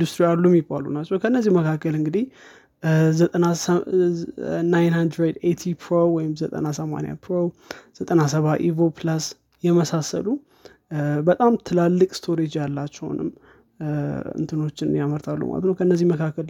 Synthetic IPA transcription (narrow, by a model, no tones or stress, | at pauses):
d̪ust̪ɾialːumjɪbːalṵnat͡ʃːɛwkʰənːəzːihməkʰakːəlɨŋɡɨd̪i | zət̪ʼəna | najnhand̪ɾed̪ejt̪ʰipʰɾowɔjɪmzət̪ʼə̰nasəma̰nja̰pʰɾoz̥ət̪ʼənasəβaʔivoplas | jɛməsasə̰lu | bət̪ʼamt̪ʰɨlalːɨkʼst̪ʰo̞ɾed͡ʒjalːat͡ʃːɛw̰nɨ̰mː | ɨ̰nt̪ʰɨno̞t͡ʃːɪnɨjaməɾt̪ʰalːṵma̰lət̪nəwkʰəɨnːəzːihməkʰakːəl